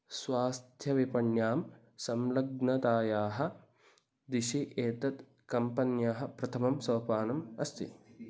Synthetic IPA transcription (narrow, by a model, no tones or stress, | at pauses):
sʋaːst̪ʰjɐʋipɐɳjaːm | sɐmlɐɡ̚nɐt̪aːjaːɦɐ̆ | d̪iʃiʔeːt̪ɐt̪ | kɐmpɐnjaːɦɐ̆pɾɐt̪ʰɐmɐmsɐʋɐpaːnɐmɐst̪ḭ